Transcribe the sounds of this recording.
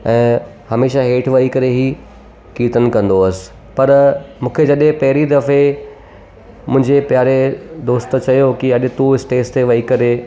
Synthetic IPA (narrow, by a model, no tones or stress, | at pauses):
ɛ̃ː | hɐmeːʃaɦeːʈʰʋɐikɐɾeɦiː | kiːt̪ən̆kɐ̃nd̪oɐsɪ̥̆ | pɐɾmũːkʰed͡ʑɐɗẽpɐɦɪɾid̪ɐfe | mʊ̃ɦɪ̃ɲd͡ʑepjaːɾed̪oːst̪t͡ɕɐjokiɐɗɪt̪ũɪsʈeːst̪ʰeʋɐikɐɾe